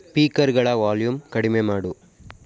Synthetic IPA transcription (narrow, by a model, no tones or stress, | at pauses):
piːkɐɾɡɐɭɐʋaːljumkɐɽɪmeːmaːɽu